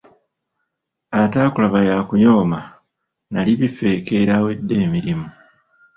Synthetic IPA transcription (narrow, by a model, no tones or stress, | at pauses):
ataːkulaβajaːkuɲo̞ːma | naliβife̞ːke̞ɾaːwe̞dːe̞ːmiɾimu